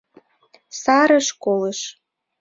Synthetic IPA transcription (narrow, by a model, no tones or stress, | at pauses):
sɑɾəʃkoləʃ